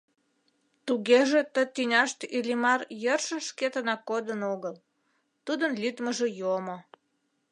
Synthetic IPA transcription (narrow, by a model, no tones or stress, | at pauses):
t̪uɣeʒet̪ət̪ynʲɑʃt̪ilʲimɑrjərʃə̆ʃket̪ənɑkod̪ənoɣəl | t̪ud̪ənlʲyt̪məʒejomo